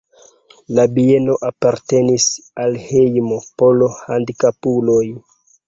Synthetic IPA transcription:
labie̞no̞ʔapaɾte̞nisalhejmo̞po̞lo̞handikapuloj

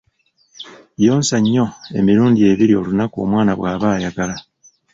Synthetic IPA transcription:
jo̞ːnsaɲːo̞e̞̰miɾuːndie̞βiɾio̞lunakuo̞mwaːnaβwaːβaːjaɡala

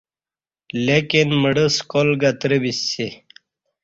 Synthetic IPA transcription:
lekinməɽəskolɡat̪ɾəbisːi

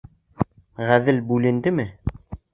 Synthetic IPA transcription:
ʁæðɘlbʉlɘ̆nd̪ɘmɘ

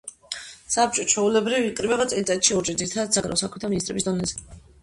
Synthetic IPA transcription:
sab̚t͡ʃʼɔt͡ʃʰwɔulɛbɾivːkʼɾibɛbat̪sʼɛlit̪ʼat̪ʃiɔɾt͡ʃʼid̪ziɾit̪ʰad̪ad̪z̥aɡaɾɛ̰ɔsakʰmɛt̪ʰaminist̪ʼɾɛbisd̪ɔnɛzɛ

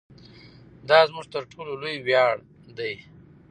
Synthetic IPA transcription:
d̪ɑzmuʐt̪əɾʈʰololojwjɑɽ | d̪aj

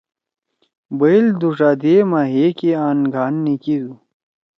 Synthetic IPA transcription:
bɐild̪uʂaːd̪emaɦekeaːnɡʱaːnːikid̪u

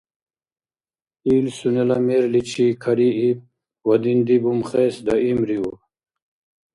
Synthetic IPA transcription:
iːlsunelameːɾlit͡ɕʰikʰɐɾiip̚ | wɐd̪ind̪ibumχeːsd̪ɐimɾiṵ

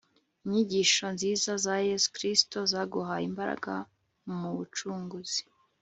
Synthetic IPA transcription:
iɲiɟiʃo̞nziːzazaje̞zu̥kɾistozaɡuɦaḭmbaɾa̰ɡa̰ | muβut͡ʃuːŋɡuzi̥

